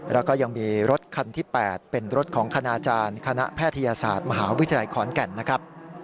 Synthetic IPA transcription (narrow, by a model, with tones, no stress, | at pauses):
ɾɛː˦˥wkɔː˥˩ja˧ŋmiː˧ɾo˦˥t̪̚kʰa˧nt̪ʰiː˥˩pɛː˨˩t̪̚pe˧nɾo˦˥t̪̚kʰɔː˩˦ŋkʰa˧naː˧t͡ɕaː˧nkʰa˧na̰˦˥ʔpʰɛː˥˩t̪ʰːa˧jaː˧sa̰ː˨˩t̪̚ma˧ɦaː˩˦wt̪ʰːla˧jkʰɔː˩˦nkɛ˨˩nːa˦˥kʰɾa˦˥p̚